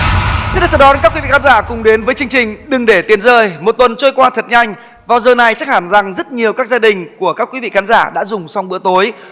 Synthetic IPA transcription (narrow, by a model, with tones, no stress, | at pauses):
sḭ˧˥nɗaː˨˩t͡ɕə˧˩ɗɔ˨˦ka˦˥kwi˨˦vḭ˧˨˩a˨˦zaː˧˩kʊ˨˩ŋ͡mɗe˨˦nvəː˨˦jt͡ɕɨ˧əŋt͡ɕï˨˩ŋ̟ɗɨ˨˩ŋɗe˧˩t̪i˨˦ənzəː˧˩jmo˨˩t̚t̪wə˨˩nt͡ɕo˧jkwaː˧t̪ʰə˨˩t̚ɲa˧jŋ̟ | vaː˨˩wzəː˨˩na˨˩jt͡ɕa˦˥k̚haː˧˩nza˨˩ŋzə˦˥t̚ɲi˨˩əwkaː˦˥k̚zaː˧ɗï˨˩ŋ̟ku˧˩əkaː˦˥kwi˨˦vḭ˧˨xaː˨˦nzaː˧˩ɗa̰ː˧˥zʊ˨˩ŋ͡msa˧wŋ͡mɓɨ̰˧˥t̪o˨˦j